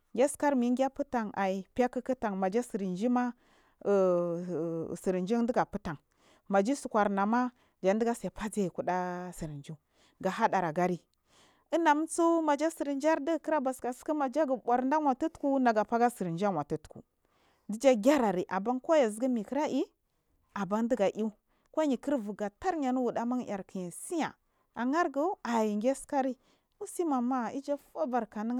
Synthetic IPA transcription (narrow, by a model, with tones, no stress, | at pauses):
ɡʲa˦ska˦ɾmi˨˦ɡʲa˦pu˦ta˨ŋa˨i˨pa˦kə˦kə˦ta˨ŋma˨d͡ʒa˦si˨ɾi˨nd͡ʒi˦ma˦˨ | si˨ɾi˨nd͡ʒi˦ŋ˦di˦ɡa˨pu˦ta˨ŋ | ma˨d͡ʒi˦su˨kʷa˨ɾna˨ma˦ | d͡ʒa˨n˦di˦ɡa˦sa˨pa˦d͡za˦˨i˨ku˦ɗa˦si˨ɾi˨nd͡ʒu˦ | ɡa˨ɦa˦ɗa˨ɾa˨ɡa˦ɾi˦ | ə˦na˨m˦t͡su˦ma˨d͡ʒa˦sə˨ɾi˨nd͡ʒa˦ɾdə˦ɡkə˦ɾa˦ba˨ska˨skə˦ma˨d͡ʒa˦ɡə˨ɓʷa˨ɾnda˦wʷa˨tu˦tku˦na˨ɡa˨pa˦ɡa˦sə˨ɾi˨nd͡ʒa˦wa˨tu˦tkṵ˨ | di˦d͡ʒa˦ɡʲa˦ɾa˨ɾi˨ʔa˨ba˦nka˦ja˨zɡə˦mi˨kə˦ɾa˦ʔi˦ | a˨ba˦ndə˦ɡa˨ʔi˦ | ko˦ɲi˨kə˦ɾvu˨ɡa˨ta˦ɾɲa˨nu˦wu˨da˦ma˦ŋ˨ja˨ɾki˨ja˨si˦ja̰˨ | a˨ŋa˦ɾɡu˦a˨ji˨ŋɡʲe˦ska˦ɾi˦ | mu˦si˦ma˨ma˦i˦d͡ʒa˦fa˦va˨ɾka˨nə˦